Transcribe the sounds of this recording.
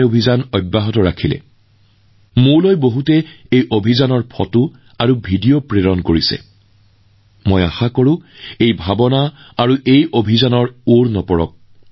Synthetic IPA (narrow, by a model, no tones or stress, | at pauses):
obʱizanɔbːaɦɔtɔɹakʰilɛ̰ | mʊɹlojboɦutɛejʔobʱizanɔɹpʰɔtu | aɹubʱidiopɹeɹɔnkoɹisɛ̰ | moja̰xakoɹʊ̃ejbʱabɔna | aɹuʔejobʱizanɔɹoɹnɔpɔɹɔ̰k̚